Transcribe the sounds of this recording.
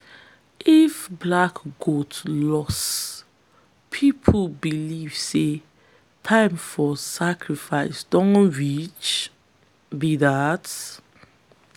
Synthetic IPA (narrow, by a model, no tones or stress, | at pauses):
ʔifblakɡ̥otlɔs | pʰipʰbiliv̥se | tʰãɪ̃mfɔsakʰɹifaɪsd̥õnɹit͡ʃ | bidat